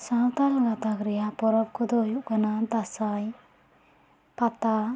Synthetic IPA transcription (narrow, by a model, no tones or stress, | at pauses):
sawt̪alɡat̪akɾɛjapɔɾɔb̚kʰɔd̪ɔjuʔkanad̪asaj | pat̪a